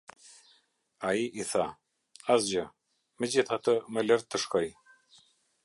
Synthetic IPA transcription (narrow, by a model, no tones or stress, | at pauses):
aiʔiθa | asd͡ʑə | məd͡ʑiθat̪əmələɾt̪ːəʃkɔj